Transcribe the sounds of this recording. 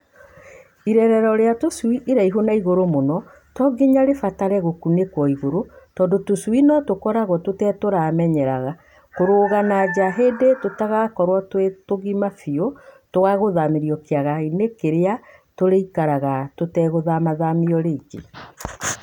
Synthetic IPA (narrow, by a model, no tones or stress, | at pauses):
iɾɛɾɛɾɔɾeatoswiʔiɾaiɦonaiɣoɾomonɔ | tɔɡeɲaɾefataɾɛɣokunekwɔiɣoɾotɔːndotoswinɔtokɔɾaɣɔtotɛtoɾamɛɲɛɾaɣa | koɾoːɣanad͡ʑaɦedetotaɣakɔɾwatwetoɣimafiɔtoɣaɣoðameɾijɔkeaɣainekeɾea | toɾeikaɾaɣatotɛɣoðamaðamiɔɾed͡ʒḛ